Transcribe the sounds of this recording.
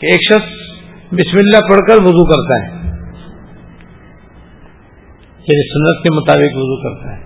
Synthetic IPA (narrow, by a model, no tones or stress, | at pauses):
keːkʃɐxs | bɪsmɪlːapɐɽkəɾʋʊzukɐɾt̪aɦɛː | jaːnisʊnːət̪kemʊt̪aːbɪkʋʊzukɐɾt̪aɦɛː